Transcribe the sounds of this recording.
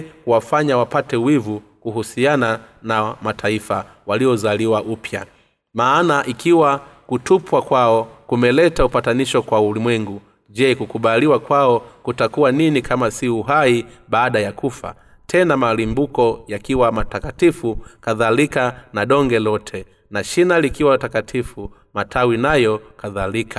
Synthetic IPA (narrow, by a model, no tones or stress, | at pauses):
kuwafaɲawapatɛwivukuhusiananamatʰaifa | waliɔzaliwaʔupʰja | maːnaʔikiwakutupwakwaɔkumɛlɛtaupataniʃɔkwaulimwɛŋɡu | ʄɛkukuɓaliwakwaɔkutakuwaninikʰamasiuɦaiɓaːɗajakufa̰ | tʰɛnamalimbukɔjakiwamatakatifukaðalikanaɗɔŋɡɛlɔtʰɛ | naʃinalikiwatakatʰifu | matʰawinajɔkaðalikʰa